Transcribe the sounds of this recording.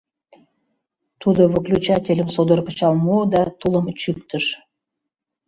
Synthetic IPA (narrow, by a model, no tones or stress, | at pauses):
t̪ʰud̪ə̆və̆klʲut͡ɕat̪ʲelʲəmsod̪ə̆ɾpə̆t͡ɕɑlˠmod̪ɑt̪ʰulˠəmt͡ɕyk̚t̪əʃ